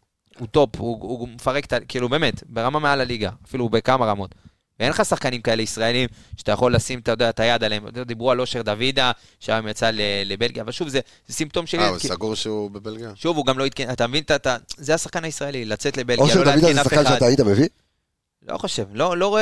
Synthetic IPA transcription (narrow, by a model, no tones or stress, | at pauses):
ut̪o̞puumefaʁeke̥t̪akiilube̞ːmet̪be̞ʁamamealaliɡaːfilubekamaʁamo̞t̪ | vee̞nχasaχkanimkae̞le̞isʁae̞limʃeat̪ajaχo̞lːasimt̪ajod̪eat̪ajad̪aleemod̪d̪ibʁualo̞ʃe̞ʁd̪avid̪a | ʃaemjat͡salelebe̞lɡjaːvalʃuvze | zesimpt̪o̞mʃevalsaɡuʁʃeubebelɡijaʃuvuɡamlo̞it̪̚kenat̪amevint̪at̪azeasaχkanaisʁae̞lilat͡set̪le̞bejaʃeodaid̪aezenasafkanʃad̪tait̪abevi | lo̰χo̞ʃe̞vlo̞lo̞